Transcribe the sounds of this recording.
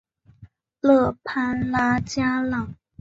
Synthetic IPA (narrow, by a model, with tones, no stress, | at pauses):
lɤ˥˩pʰa˥nla˥t͡ɕja˥lɑ˥˨˩ŋ